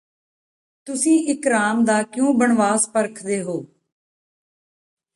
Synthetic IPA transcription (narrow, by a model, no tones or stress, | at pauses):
t̪ʊsĩːɪkɾaːmd̪aːkjõːbəɳʋaːspəɾkʰd̪eːɦoː